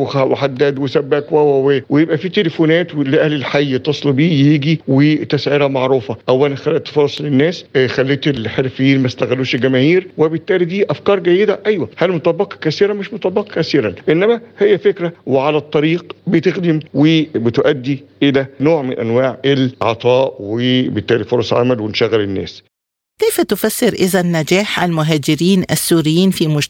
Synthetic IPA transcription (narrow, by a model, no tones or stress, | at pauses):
xæweħad̪ːæd̪wesæbːækwæwæwewejebʔæfiːt̪elefonæːt̪wleʔæhlelħajːt̪ˤesˤlbiːjiːɡiwet̪æsʕiɾæmɑʕɾuːfɑʔæwːælænxælːæʔt̪ːfɑɾˤɑsˤlenːæːsxælːiːt̪elħeɾfejːiːnmæst̪æɣælːuːʃelɡæmæːhiːɾwebet̪ːæːlid̪iːʔæfkɑːɾˤɡæjːed̪æʔæjwæhælmot̪ˤɑbːɑqɑ̥kæsiːɾæmeʃmot̪ˤɑbːɑqɑkæsiːɾæʔenːæmæhejːæfekɾæweʕalæt̪ˤːɑɾiːqbet̪exd̪ɪmwebet̪ʔæd̪ːiʔelænoːʕmɪnʔænwaːʕʔelʕɑ̰t̪ˤɑːʔwebet̪ːæːlifoɾˤɑsˤʕa̰mælwenʃæɣælenːæ̰ːs | kejfæt̪ʊfæsːɪɾʔɪzænːæd͡ʒæːħʔalmʊɦæːd͡ʒɪɾiːnʔæsːuːɾɪjːiːnfiːmʊd͡ʒ